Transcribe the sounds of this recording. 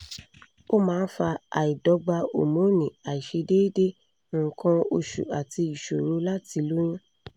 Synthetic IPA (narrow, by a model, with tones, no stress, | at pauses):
o˦mãː˦˧n̩˦fa˧a̰˨i˨dɔ˨˦ɡ͡ba˧o̰˨mũ˨˦nĩ˨a˨i˨ʃe˧de˦i˦dẽ˦˨ | kʰã˧o˧ʃṵ˨a˨ti˧i˨ʃo˨ɾu˨˦la˦ti˧lu˦j̃ã˦